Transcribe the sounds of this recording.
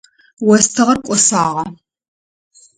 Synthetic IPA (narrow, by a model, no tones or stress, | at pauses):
wɔstʰɐʁɐrkʷʼɔsaːʁɐ